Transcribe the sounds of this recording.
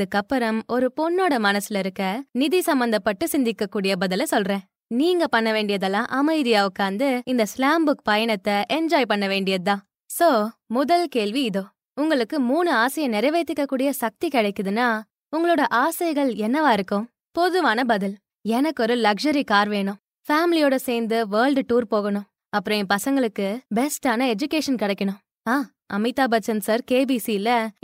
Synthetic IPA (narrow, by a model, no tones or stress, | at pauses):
ðɯkːɐpːɐɾɐmɔɾɯpɔnːoːɽɐmɐnɐsɯlɐɪɾɯkːɐnɪðisɐmbɐnd̪ɐpːɐʈːɯsɪnd̪ɪkːɐkːuːɽɪjɐbɐðɪlɐsɔlrẽː | niːŋɡɐpɐɳːɐʋeːɳɖɪjɐðɛlːãːʔɐmɐɪðɪjaːɯkːaːnd̪ɯɪnd̪ɐslaːmbɯkpɐjɐɳɐt̪ːɐʔɛɲd͡ʒaːjpɐɳːɐʋeːɳɖɪjɐðɯt̪ãː | soːmʊðɐlkeːɭʋiɪðoː | ʊŋɡɐɭɯkːɯmuːnɯaːsɐjɐnɪɾɐɪʋɐɪt̪ːɯkːɐkːuːɽɪjɐsɐk̚t̪ikɪɽɐɪkːɯðɯnːaː | ʊŋɡɐɭoːɽɐʔaːsɐjɣɐɭɛnːɐʋaːɪɾɯkːɯ̃m | pɔðɯʋaːnɐbɐðɪl | ɛnɐkːɔɾɯlɐkʂɐɾikaːɾʋeːɳʊ̃m | faːmɪlɪjoːɽɐseːɾnd̪ɯʋɐːɭɖʈuːɾpoːɣɐɳʊ̃m | ɐpːɯɾɐ̃ɛ̃pɐsɐŋɡɐɭɯkːɯbɛsʈaːnɐɛd͡ʒʊkeːʂɐnkɪɽɐɪkːɐɳʊ̃m | aː | ʔɐmɪt̪ːaːbɐt͡ʃːɐnsɐɾkeːbisilɐ